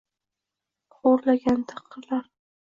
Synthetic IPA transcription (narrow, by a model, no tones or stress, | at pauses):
χoɾlaɡʲant̪ʰɑqʰːɨɾlaɾ